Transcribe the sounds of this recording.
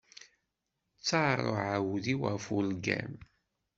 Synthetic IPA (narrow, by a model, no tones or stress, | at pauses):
t͡sːɑrˤo̰ʕawðiwafulɡæ̰m